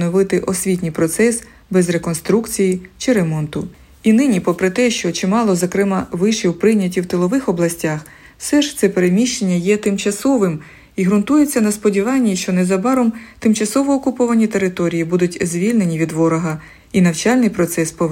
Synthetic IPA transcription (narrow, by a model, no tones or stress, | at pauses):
nɔʋɪt̪ɪʔɔsʲʋʲitʲnʲijpɾɔt̪sɛs | bɛzre̞kɔnst̪ɾukt͡sʲijit͡ʃɪɾe̞mɔnt̪ʊ | inɪnʲipɔpɾet̪ɛʃt͡ʃɔt͡ʃɪmɑlˠɔzɐkɾɪmɑʋɪʃiwpɾɪnʲɐt̬ʲiwt̪elˠɔʋɪxɔblˠɐsʲtʲax | sɛʃt̪sɛpe̞ɾemʲiʃt͡ʃenʲːɐjɛt̪ɪmt͡ʃɐsɔʋɪm | iɦɾʊnt̪ujet͡sʲːɐnɐspɔdʲiʋɑnʲːiʃt͡ʃɔnezɐbɑɾɔmt̪ɪmt͡ʃɐsɔʋɔːkʊpɔʋɐnʲit̪e̞ɾɪt̪ɔɾʲijibud̪ʊtʲzʲʋʲilʲne̞nʲiʋʲid̪ʋɔɾɔɦɐ | inɐwt͡ʃɑlʲnɪjpɾɔt̪sɛspɔ